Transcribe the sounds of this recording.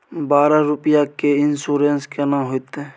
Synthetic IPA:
baːɾaɾʊpjakeɪnsuːɾenskɛnaɦoit̪e

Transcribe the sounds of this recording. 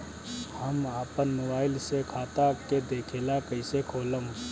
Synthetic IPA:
həmaːpənmobaːɪlsekʰaːt̪aked̪eːkʰeːlakəɪsekʰoːləm

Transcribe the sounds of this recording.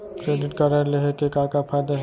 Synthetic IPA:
kɾeːɖɪʈkɐɾəɾleɦekekaːkafʰaːjd̪aɦ

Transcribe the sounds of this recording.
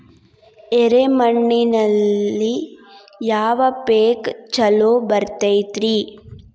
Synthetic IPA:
eɾemɐɳːinɐlːi | jaːʋɐpeːkt͡ʃɐloːbɐɾt̪ɐjt̪ɾi

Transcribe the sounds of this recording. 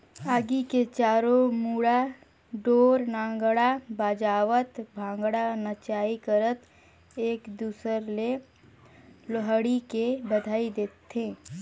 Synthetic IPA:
aːɡiket͡ʃaːɾomuːɽa | ɖoːɾnãːŋɡɽabaːd͡ʒaːʋət̪bʱãːŋɡɽanət͡ʃaːikəɾət̪ | eːkd̪uːsəɾle | loɦəɽikebəd̪ʱaːid̪eːt̪ːẽː

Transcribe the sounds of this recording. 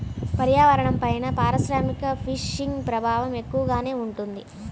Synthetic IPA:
pɐɾjaːʋɐɾɐɳɐmpɐjnɐpaːɾɐʃɾaːmikɐpʰiʂiŋɡpɾɐbʱaːʋɐme̞kːuʋɐɡaːne̞ːuɳʈund̪i

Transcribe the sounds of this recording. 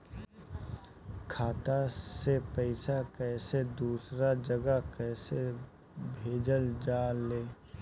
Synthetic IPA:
kʰaːt̪asepəɪsakɛːsed̪uːsɾad͡ʒəɡəkɛːse | bʱeːd͡ʒəld͡ʒaːleː

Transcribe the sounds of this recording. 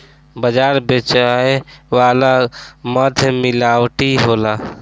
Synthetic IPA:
bəd͡ʒaːɾbet͡ʃaeʋalaməd̪ʱmɪlaːwʈiɦola

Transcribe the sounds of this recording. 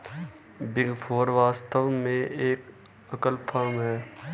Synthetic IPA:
bɪŋɡpʰoːɾʋaːst̪əʋmẽeːk | ɐkəlpʰəɾmɦɛː

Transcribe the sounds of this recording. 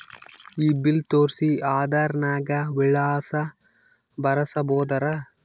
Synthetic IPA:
iːbilt̪oːɾsiaːd̪aːɾɐnaːɡɐʋiɭaːsɐ | bɐɾɐsɐboːd̪ɐɾɐ

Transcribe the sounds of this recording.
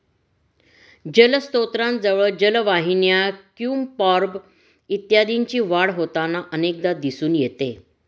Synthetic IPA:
d͡ʑələst̪ot̪ɾãnd͡zəʋəɭd͡ʑəlʋaɦinjakjuːmpɔɾb | it̪jad̪iɲt͡ɕiːʋaɽɦot̪anaʔənek̚d̪ad̪isuːnjet̪e

